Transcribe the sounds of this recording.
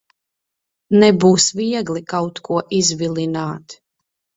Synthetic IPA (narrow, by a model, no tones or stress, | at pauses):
nɛbuːsviɛɡlikawt̪kuɔʔizvilˠinaːt̪